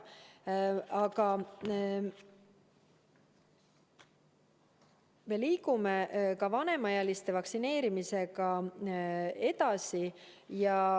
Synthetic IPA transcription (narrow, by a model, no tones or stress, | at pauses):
ɑkɑ | me̞liːkumekɑvɑne̞mɑjɑlist̪e̞vɑksine̞ːɾimise̞kɑ | e̞d̪̥ɑsijɑ